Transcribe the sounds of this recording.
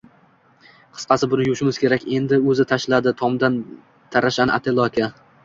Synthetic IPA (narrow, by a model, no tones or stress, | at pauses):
qʰɨ̥sqɑsɪbʊnɪjʊʃɪmɪz̥kʲʰe̞ɾakʲe̞nd̪ɪɵzɪt̪ʰaʃlad̪ɪt̪ʰɒmd̪an | t̪ʰaɾaʃana̰t̪ʰelˠɒkʲʰa